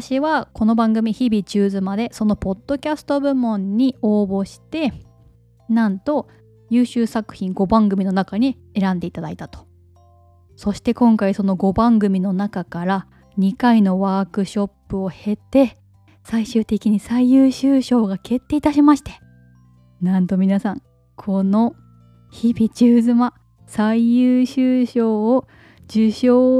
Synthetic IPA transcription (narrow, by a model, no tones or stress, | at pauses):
aaɕiβako̞no̞bãŋɡɯ̟mʲiçibʲit͡ɕɨːzɨmad̪e̞so̞no̞po̞d̪̥ːo̞kʲasɨ̥t̪o̞bɯ̟mõ̞ɲ̟ːio̞ːbo̞ɕi̥t̪e̞ | nãnt̪o̞ | jɯːɕɨːsakɯ̟̥çĩŋɡo̞bãŋɡɯ̟mʲino̞nakaɲ̟i | e̞ɾãnd̪e̞it̪ad̪ait̪at̪o̥ | so̞ɕi̥t̪e̞kõ̞ŋkaiso̞no̞ɡo̞bãŋɡɯ̟mʲino̞nakakaɾa | ɲ̟ikaino̞βaːkɯ̟ɕo̞pːɯ̟o̞he̞t̪e̞ | saiɕɨːt̪e̞kʲiɲ̟isaijɯːɕɨːɕo̞ːɡake̞t̪ːe̞it̪aɕimaɕi̥t̪e̞̥ | nãnt̪o̞mʲinasãŋ | kʰo̞no̞ | çibʲit͡ɕɨːzɨma | saijɯːɕɨːɕo̞ː | d͡ʑɨɕoː